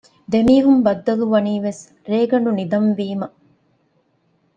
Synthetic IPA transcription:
d̪emiːɦumbɐd̪ːɐluʋɐniːʋes | ɾeːɡɐɳɖunid̪ɐmʋiːmɐ

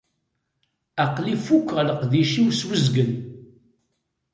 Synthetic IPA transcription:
æqlifukʷːʁləqðiʃiwswəzɡən

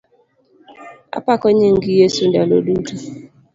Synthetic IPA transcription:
a̰pakɔɲeŋ̩ɡijesundalo̰ɗutu

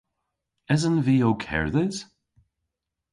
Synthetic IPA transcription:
ɪzənviːowkʰɛ̰ɹðəz̥

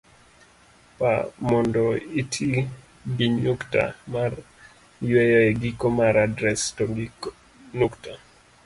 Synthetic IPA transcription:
pamɔndɔitʰi | ɡiɲukta̰mar | jwɛjɔeɡikomaɾadɾɛstɔɡ | nukta

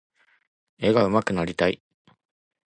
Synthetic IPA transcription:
e̞ɡaɯ̟makɯ̟naɾʲit̪aḭ

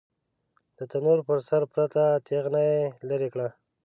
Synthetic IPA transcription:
d̪̥ət̪anuɾpəɾsaɾpɾat̪at̪eɣnajelaɾekɽa

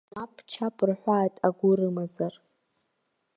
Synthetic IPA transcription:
apʰʼt͡ʃʰapʼrħʷaːtʼaɡʷʊɾɨmazar

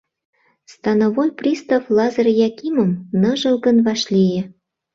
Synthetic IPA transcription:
st̪ɑnovojprʲist̪oflɑzɤrjɑkiməmnɤ̆ʒɤ̆lˠɣə̆nvɑʃlʲijĕ

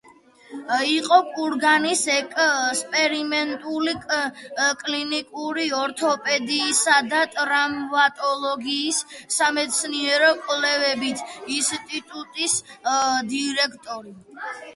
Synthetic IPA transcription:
iqʼɔkʼuɾɡanisɛkʼspʼɛɾimɛnt̪ʼuli | kʼlinikʼuɾiɔɾt̪ʰɔpʼɛd̪iːsad̪at̪ʼɾammat̪ʼɔlˠɔɡiːsːamɛt̪sʰniɛɾɔkʼlɛvɛbit̪ʰinst̪ʼit̪ʼut̪ʼisd̪iɾɛkʰt̪ʼɔɾi

